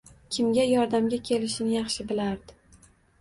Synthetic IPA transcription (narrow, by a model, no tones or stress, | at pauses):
kʲʰɪmɡʲajɒɾd̪amɡʲakʲʰe̞lɪʃɪnɪjɑχʃɪbɪlaɾd̪ɪ